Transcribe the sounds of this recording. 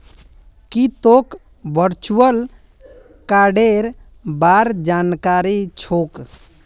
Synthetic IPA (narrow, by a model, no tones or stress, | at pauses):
kit̪ok | bəɾt͡ʃuəl | kaɖeɾ | baɾd͡ʒankaɾit͡ʃʰok